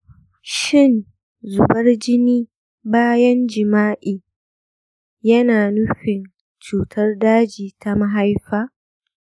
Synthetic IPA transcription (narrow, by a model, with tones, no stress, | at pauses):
ʃɪ˦˨n | zʊ˨bɐ˦rd͡ʒɪ˦niː˦ | baː˦jɐ˦nd͡ʒɪ˨maː˦ʔiː˨ | jɐ˦naː˨nʊ˦ɸɪ˨n | t͡ʃuː˨tʰɐ˦rdaː˦d͡ʒiː˨ta˦ma˦ɦa˦jɸaː˦